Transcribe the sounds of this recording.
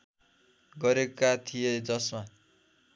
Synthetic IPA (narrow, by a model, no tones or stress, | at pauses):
ɡʌɾekat̪ʰijed͡zʌsma